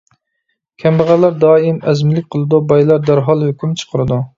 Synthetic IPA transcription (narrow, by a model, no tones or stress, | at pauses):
kʲʰɛmbæʁælæɾd̪ɑːɪmɛzmɪlɪkʲqʰəlˠɨd̪ubɑjlˠɑɾd̪æɾɦɑlˠhøkʲymt͡ʃʰə̥qʰəɾɨd̪u